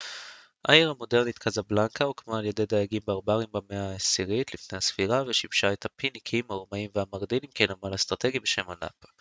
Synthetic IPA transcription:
ʔa̰iʁamo̞de̞ʁnit̪kʰazablaŋkaokmaːlje̞de̞jd̪ajaɡimbeaʁbaʁimbameasiʁit̪lifnehasfiʁaveʃimʃaet̪hapinikʰimhauʁmaimveamaɡd̪ilimkenamalast̪ʁat̪e̞ɡibe̞ʃe̞mana̰p

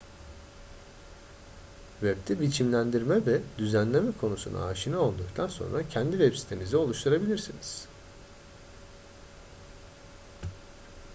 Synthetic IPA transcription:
vɛpt̪ʰibit͡ʃʰimlʲænd̪iɾmɛvɛd̪yzænlʲe̞mɛkʰo̞nusṵnʔa̰aːʃɯnao̞lˠd̪uk̚t̪ʰanso̞̰nɾacʰɛnd̪ivɛpsi̥t̪ʰemizio̞lˠuʃt̪ʰuɾabilʲiɾsiniz̥

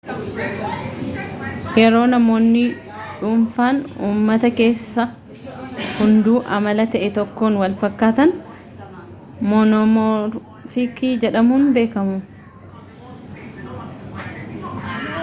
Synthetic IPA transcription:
ʔɛɾo̞ːnɐmo̞ːnːɪ | ᶑuːɱfaːnuːmːɐt̪ɐke̞ːsːɐ | hʊnd̪uːʔɐmɐlɐt̪ɐʔɛt̪ɔkːoːnwɐlfɐkːaːt̪ɐn | moːnɔmɔɾ | fikiːd͡ʒɛᶑɐmuːnbe̞ːkɐmʊ

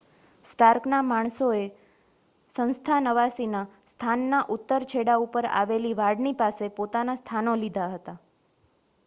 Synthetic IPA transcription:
sʈaɾknamaɳ̃soe | sə̃nst̪ʰanəʋasinast̪ʰanːaʔut̪ːəɾt͡ʃʰeɽaupəɾa̰ʋeliʋaɽnipasepot̪anast̪ʰanolid̪ʱaɦət̪a

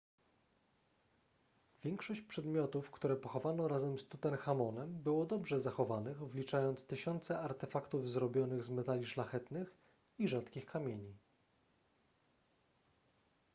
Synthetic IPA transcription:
vʲjɛŋkʂɔɕt͡ɕpʂɛd̪mʲjɔt̪ufkt̪uɾɛpɔxɔvanɔɾazɛmst̪ut̪ɛnxamɔnɛmbɘwɔd̪ɔbʐɛzaxɔvanɘɣvlʲit͡ʂajɔnt̪st̪ɘɕɔnt̪sɛaɾt̪ɛfakt̪uvzɾɔbʲjɔnɘɣzmɛt̪alʲiʂlaxɛt̪nɘx | iʐat̪kʲixkamʲjeɲi

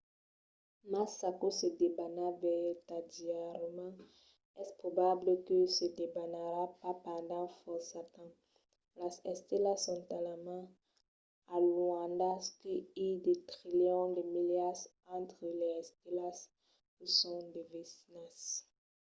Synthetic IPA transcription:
masakosed̪ebanavɛt̪adiaɾmɑ̃ | ɛspχobabləkøsed̪ebanaɾapapãnd̪ɑ̃fɔsatɑ̃ | lasɛst̪elasɔ̃t̪alamã | aluãnd̪askeild̪et̪ʁiljɔ̃d̪emiljas | ɑ̃t̪χəlɛɛst̪elas | ksɔ̃d̪evisnɛs

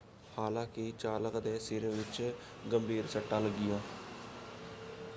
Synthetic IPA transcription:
haːlãːkɪt͡ʃaːləkd̪ɛːseːɾẽːʋɪt͡ʃ | ɡəmbʱiːɾsəʈːãːləɡːɪjãː

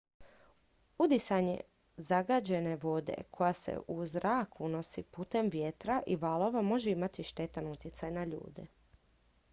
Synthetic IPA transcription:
ud̪isaɲḛ | zaɡad͡ʑe̞ne̞ʋo̞d̪ḛkʰo̞jase̞̰ʔuzɾʔaːkuno̞sipuːt̪e̞mʋjet̪ɾaʔiʋalˠo̞ʋamo̞ʒeimat̪iʃt̪e̞t̪anut̪jet̪sajnaʎṵːd̪ḛ

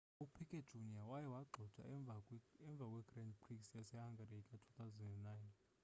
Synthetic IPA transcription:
upʰikʼed̥ʒ̥ʱuniawajɛwaɡ͡ǃʱɔd̥ʰʱa̰vaɛɱb̪vʱakʼwɛɡrɛndpriksjasɛhaŋɡarikʼatʰu̥θawzɛnɛnnajn

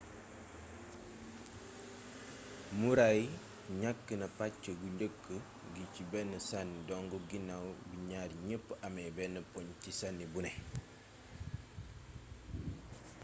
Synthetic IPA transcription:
muɾaj | ɲakːənɐpacːəɡuɲɟəkːə | ɡicibɛnːəsanːidɔŋɡɔɡinawbiɲaɾiɲəpːʔamɛbɛnːəpɔɲcisanːibunɛ

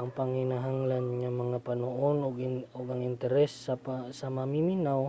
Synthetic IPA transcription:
aŋpaŋhinaɦaŋlanŋamaŋapanoʔonoɡʊɡaŋɪnt̪ɛɾɛsasamamiminaw

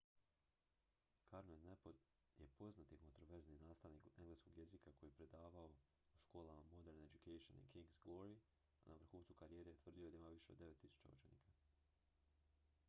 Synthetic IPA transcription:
kaɾmennepod̪ | je̞po̞znat̪iko̞nt̪ɾo̞ʋe̞ɾzninaːst̪aʋnikeŋɡlesko̞ɡje̞zikakojiepɾe̞d̪aːʋao̞ | uʃko̞ːlˠamamo̞d̪e̞ɾned͡ʑukejʃo̰nḭkiŋɡzɡlo̞ɾi | anaʋr̩xuːnt̪sukaɾijeːɾet̪ʋr̩d̪io̞d̪aimaʋiʃe̞od̪ːe̞ʋe̞t̪ːisu̥t͡ʃa̰ṵt͡ʃe̞nḭːkʰa

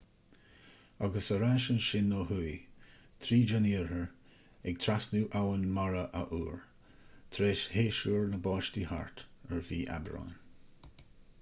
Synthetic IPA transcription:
aɡəsəɾaʃənʃɪnːoːɦuj | t̪ʰɾiːd͡ʒaniːɹəɹ | ɛɡ̚t̪ʰɾasnuːʔawənmaɹəʔə̰ʔuːɹ | t̪ʰɾeːʃheːʃuːɹnəbɑːʃtiha̰ɹt̪əɹviːʔa̰bɹa̰ːn

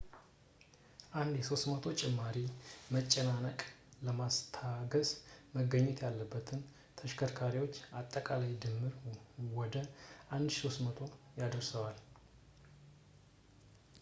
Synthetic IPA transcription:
ʔand̪jɛso̞st̪mət̪ʰo̞t͡ʃʼɛmːaɾimət͡ʃʼːɛnanəkʼləmast̪ʰaɡəzməɡəɲːɛt̪jalːəbːət̪ʰɨn | t̪ʰəʃkʰəɾkʰaɾiwo̞t͡ʃːat̪ʼːəkʼalajd̪ɨmːɨɾwɔd̪əʔand̪so̞st̪mət̪ʰo̞jad̪əɾsəwal

